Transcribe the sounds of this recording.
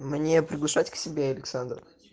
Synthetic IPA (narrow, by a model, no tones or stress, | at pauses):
mnʲepɾʲɪɡlˠɐʂatʲksʲɪbʲeɐlʲɪksand̪ɾə